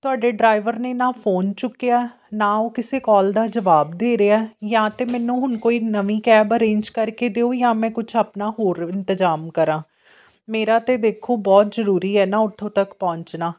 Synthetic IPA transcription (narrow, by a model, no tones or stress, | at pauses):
t̪ʊaːɖeːɖɾaːɪʋəɾneːnãːpʰoːnt͡ʃʊkːejaːɛ | naːoːkɪseːkɔːld̪aːd͡ʒəʋaːb̚d̪eːɾeaɛjãːt̪eːmɛ̃ːnũːɦʊnkoːiːnəʋĩːkɛːbəɾẽːnd͡ʒkəɾkeːd̪eːoːjãːmɛ̃ːkʊt͡ʃʰaːpnaːɦoːɾɪnt̪əzaːmkəɾãː | meːɾaːt̪eːd̪eːkʰoːbɔːt̪zəɾuːɾiːɛːnãːʊʈ̪ʰːõːt̪əkpɔ̃ːɲt͡ʃnaː